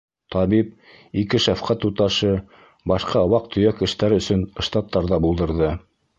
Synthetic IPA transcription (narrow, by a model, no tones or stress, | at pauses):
t̪ʰɑβip̚ | ikɘʃæfqæt̪ut̪ɑʃɤ | bɑʃqɑɑwɑq̚t̪ʰɵ̆jækɘ̆ʃt̪æɾɵ̆sɵn̆ʃt̪ɑt̪ːɑɾðɑbulˠd̪ɤ̆ɾðɤ